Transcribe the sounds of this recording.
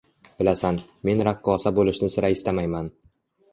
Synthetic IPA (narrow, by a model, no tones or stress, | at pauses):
bɪlasanme̞nɾaqːɒsabolɪʃnɪsɪɾaɪst̪amajman